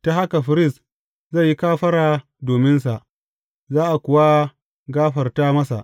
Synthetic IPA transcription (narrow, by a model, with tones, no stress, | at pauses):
ta˦ha˦ka˨ɸɪ˨ɾɪ˦˨s | zɐ˦˨ji˦kaː˦ɸɐ˦ɽaː˨ | doː˨mɪ˦nsa˨ʔ | zaː˦ʔa˨kʷʊ˨wa˦ | ɡaː˦ɸɐ˨rtaː˦mɐ˦sa̰˨ʔ